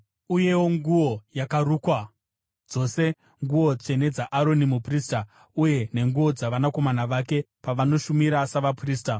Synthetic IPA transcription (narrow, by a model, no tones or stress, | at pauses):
uje̞wo̞ŋɡuwo̞jakaɾuːkwa | d͡zo̞ːse̞ | ŋɡuo̞t͡ʂe̞ne̞d͡zaʔaɾo̞nimupriːsta | uje̞ne̞ŋɡuo̞d͡zaʋanako̞manaʋake̞ | paʋano̞ʃumiɾasaʋapriːsta